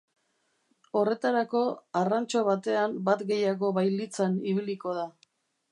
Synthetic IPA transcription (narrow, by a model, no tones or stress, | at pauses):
o̞re̞t̪aɾako̞arant͡ʃo̞β̞at̪e̞ambat̪ɡe̞jaɣo̞βajlit͡saniβ̞iliko̞ð̞a